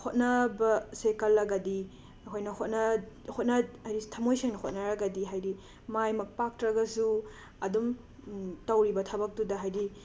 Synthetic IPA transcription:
hot̚nɐbɐsekɐlːɐɡɐdi | ɐkʰojnɐhot̚nɐhʰot̚nɐajɾitʰɐmojseŋnɐhot̚nɐɾɐɡɐdiɦajdi | majmɐk̚pak̚tɾɐɡɐsu | ɐdum | tɐwɾibɐtʰɐbɐk̚tudɐɦajdi

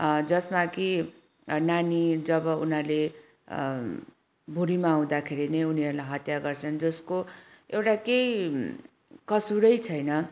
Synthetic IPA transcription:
d͡zʌsmaki | nanid͡zʌbʌunale | bʱuɾimaːw̃d̪akʰeɾinʌjuniʌɾulajɦʌt̪jaɡʌrt͡sʰʌnd͡zʌsko | ewʈakej | kʌsuɾʌjt͡sʰʌjnʌ

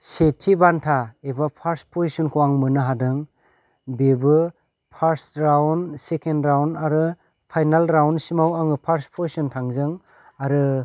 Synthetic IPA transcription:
setʰibantʰaebapʰaɾspʰozisɔnkʰɔwaŋmɯnɯɦadɯŋ | bebɯ | pʰaɾsɾawnsekendɾawnaɾɯ | pʰajnalɾawnsimawaŋɯpʰaɾspʰozisɔntʰaŋzɯŋ | aɾɯ

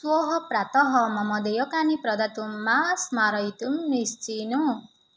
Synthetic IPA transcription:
swoɦɔpɾat̪ɔɦɔmʌmʌd̪ejɔkanipɾʌd̪at̪umːasmaɾʌjt̪umːist͡sinu

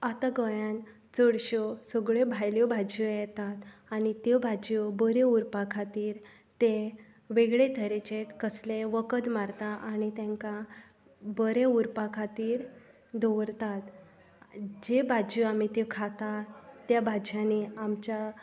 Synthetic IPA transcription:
at̪aɡəjãn | t͡səɽɕɔsəɡɭebʱajljɔbʱad͡ʑjɔjɛt̪at̪añit̪ebʱad͡ʑɔbəɾeuɾpakʰat̪iːɾ | t̪e | ʋeɡɭet̪ʰəɾet͡ɕet̪kəslẽʋəkəd̪maɾt̪aʔañit̪ẽŋka | bəɾeuɾpakʰat̪iːɾ | d̪oʋəɾt̪at̪ | d͡ʑebʱad͡ʑɔamit̪ekʰat̪at̪jabʱad͡ʑjãneamt͡ɕa

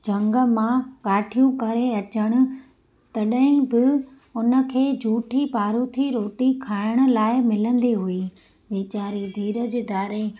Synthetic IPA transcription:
d͡ʑɐ̃ŋɡə̆mãkaːʈʰijũkɐɾeɐt͡ɕəɽ̃ʊ̆ | t̪ɐɗɦɪ̃bɪ | ʊnə̆kʰeːd͡ʑʱuːʈʰipaːɾut̪ʰiɾoːʈikʰaːɪɽ̃ʊ̆laːɪmɪlə̃nd̪iɦui | ʋeːt͡ɕaːɾid̪ʱiːɾəd͡ʑd̪aːɾe

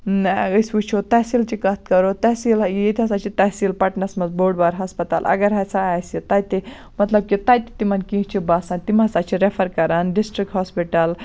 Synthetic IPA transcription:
əsʋut͡ʃʰot̪ɐsilt͡ʃikɐt̪̚kɐɾot̪ɐsiljet̪ʲʰɐsat͡ʃʰit̪ɐɦsilpɐʈnɐsmɐzboːɽbaɾɦɐspɐt̪a̰ːlɐ̰ɡɐɾɦɐt͡sʰaaːsit̪ajt̪i | mɐt̪lɐb̚kit̪ajt̪i̥t̪imɐnkĩt͡ʃʰibaːsant̪imasat͡ʃʰiɾefʰɐɾkɐɾaːnɖisʈɾik̚ʈɦɔːspiʈɐl

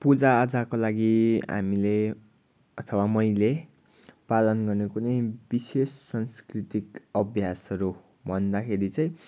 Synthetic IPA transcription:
pud͡zaːd͡zakolaɡiɦa̰mile | ʌt̪ʰʌwamʌjle | palʌnɡʌrnekunʌjbisesːʌnskrit̪ikʌbʱjasʌɾu | bʱʌnd̪akʰeɾit͡sʌj̃

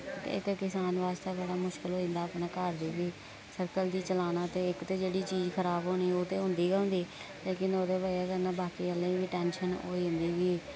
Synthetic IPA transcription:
ɪ̰kːɪsaːnʋaːst̪eːbəɽaːmʊʃkɪlɦoːɪ̃nd̪aːəpnaːkəɾd̪iːʋiː | səɾkəld̪iːt͡ʃəlaːnãːt̪eːɪkt̪eːd͡ʒeːɽiːt͡ʃiːd͡ʒkʰəɾaːbɦoːñiːoːt̪eːɦʊ̃nd̪iːɡəːʊ̃nd̪iː | leːkɪnoːd̪eːbəaːkəɾnaːbaːkiːəlːẽːʋiːʈɛːnʃəno̰ːiːʊ̃nd̪iːʋiː

